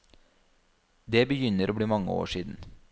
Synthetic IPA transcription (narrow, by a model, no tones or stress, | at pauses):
d̪eːbəjʏnəɾʔoːbliːmɑŋə̰o̰ːʃiːd̪n̩